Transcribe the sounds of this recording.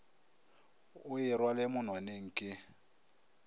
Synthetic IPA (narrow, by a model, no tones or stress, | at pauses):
ʊɪrwalɪmʊn̤waneŋ̩kʼɪ